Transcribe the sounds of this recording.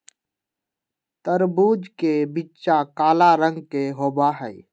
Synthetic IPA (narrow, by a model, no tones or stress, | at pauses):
t̪əɾbuːd͡ʒkebitːt͡ʃakaːlaɾə̃ŋɡ̚keɦoːbaːɦɛi